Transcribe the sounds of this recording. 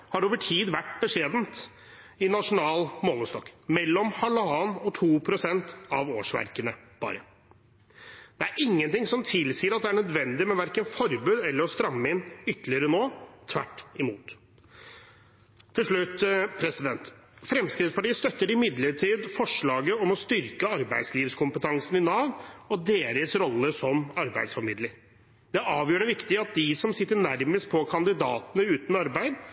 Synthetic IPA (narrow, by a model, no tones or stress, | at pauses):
hɑɾoːʋəʈʰiːd̪ʋæʈːbəʂeːd̪nt̪ | ɪnɑʂʊnɑːlmɔnəst̪ɔkːmɛlːɔmhɑlɑːnɔt̪ʰuːpʰɾʊsɛnt̪ɑʋoːʂʋæ̰ɾkənəb̥ɑ̰ːɾə | d̪̥ɛæɾʔɪŋːənt̪ɪŋsɔmt̪ʰɪlsiːəɾɑt̪̚d̪ɛæɳœd̪ʋɛnd̪ɪmɛʋæɾkənfɔɾbʉːd̪ɛlːəɾɔst̪ɾɑmːəɪnʏt̪ːəlɪəɾənoːt̪ʰʋæ̰ʈːɪmuːt̪ | ɪlʂɭʉt̪ːpʰɾɛsɪd̪ɛnt̪fɾɛmskɾɪːt̪spɑʈiːəst̪œt̪ːəɾɪmɪd̪ləʈʰiːd̪fɔʂɭɑːɡəɔmɔst̪ʏɾkəɑɾbæɪd̪sliːʋskʰʊmpət̪ʰɑŋsnɪnɑːʋɔd̪eːɾəsɾɔlːəsɔmɑɾbæ̰ɪd̪sfɔɾmɪd̪ləɾ | d̪ɛɑːʋjøːɾəʋɪkt̪ɪɑt̪̚d̪ɪsɔmsɪt̪ːəɳæɾməst̪̚pʰɔkʰɑnd̪ɪd̪ɑːt̪ənəʉːt̪nɑɾbæɪd̪